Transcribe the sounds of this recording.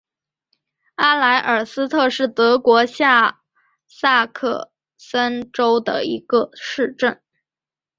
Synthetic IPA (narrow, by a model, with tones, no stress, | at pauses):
a˥la˧˥ɪʔə˞˨˩sɹ̩˥t̪ʰɤ˥˧ʂɻ̩˥˩t̪ɤ˧˥kwɔ˧˥ɕja˥˩ | sa˥˧kʰɤ̰˥˩ | sə˥nʈ͡ʂo˥ʊd̪ə̰˨i˧˥ɡə˧ʂɻ̩˥˧ʈ͡ʂə˥˩n